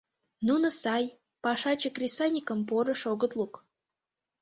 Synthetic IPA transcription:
nunə̆sɑj | pɑʃɑt͡ɕəkrʲisanʲikə̆mpoɾə̆ʃoɡə̆t̪lˠuk

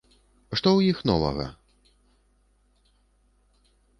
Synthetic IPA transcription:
ʂt̪ɔwjixnɔ̰vɐ̰ɣɐ̰

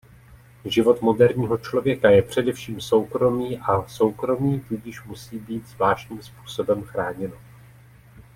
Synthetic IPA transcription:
ʒɪvo̞t̪mo̞dɛɾɲiːɦo̞t͡ʃlo̞vjɛkajɛpr̝̥ɛdɛfʃiːmso̞wkɾo̞miːʔaso̞wkɾo̞miːt̪uɟɪʃmusiːbiːt̪zvlaːʃcɲiːmspu̥ːso̞bɛmxɾaːɲɛno

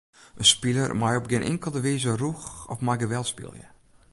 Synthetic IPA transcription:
ʔənspilˠə̰rmajɔp̚ɡɪnʔɪ̰ŋkəlˠdəʋiːzəruxɔfmajɡəʋɛlˠspḭlˠjə̰

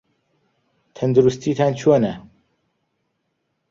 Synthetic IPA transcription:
t̪ʰɐnd̪uɾust̪ʰiːt̪ʰaːnt͡ʃʰoːnɛ

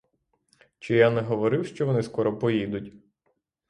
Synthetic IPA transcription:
t͡ʃɪjanɛɦɔʋɔɾɪwʃt͡ʃɔʋɔnɪskɔɾɔpɔjid̪ʊtʲ

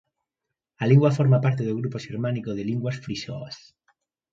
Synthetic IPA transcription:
aliŋɡwafoɾmapaɾt̪eðoɣɾupoʃiɾmanikoðeliŋɡwasfɾiʃo̰as

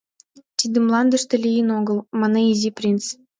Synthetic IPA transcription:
t̪ʲid̪ɘ̆mlˠɑnd̪ɤ̆ʂt̪ɤ̆lʲijɘnoɡɤ̆lˠmɑnɑizʲiprʲint͡s

